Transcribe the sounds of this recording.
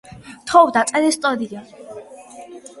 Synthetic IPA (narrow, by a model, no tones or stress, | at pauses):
t̪ʰɔvd̪at̪sʼɛɾɛst̪ʼɔd̪ia